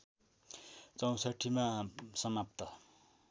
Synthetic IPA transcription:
t͡sʌw̃saʈʰːimasʌmap̚t̪ʌ

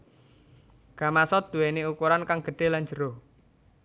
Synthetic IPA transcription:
ɡ̥a̤masɔd̪̥ṳweneukuɾankaŋɡ̥ə̤ɖ̥e̤land͡ʒə̤ɾo

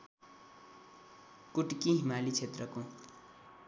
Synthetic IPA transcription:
kuʈkiɦimalit͡sʰet̪rʌko

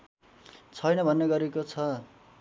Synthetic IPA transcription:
t͡sʰʌjnʌbʱʌnːʌɡʌɾekot͡sʰʌ

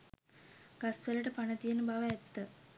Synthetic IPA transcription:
ɡ̥asʋələʈəpanət̪ijənəbaʋəɛt̪ːə

